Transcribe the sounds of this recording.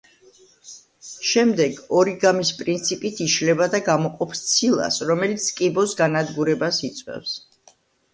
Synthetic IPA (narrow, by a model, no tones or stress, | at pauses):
ʃɛmd̪ɛɡɔɾiɡamispʼɾint̪sʰipʼit̪ʰiʃlɛbad̪aɡamɔqʼɔpst̪sʰilˠa̰sɾɔmɛlit̪sʰkʼibɔsɡanad̪ɡuɾɛbasit̪sʼwɛ̰fs